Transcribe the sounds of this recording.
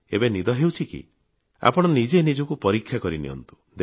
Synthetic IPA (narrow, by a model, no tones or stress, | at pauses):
ḛbenid̪ɔɦewt͡ʃʰikḭ | a̰pɔɽ̃ɔnid͡ʒenid͡ʒɔkupɔɾikʰːjakɔɾinḭɦɔ̰nt̪u̥ | d̪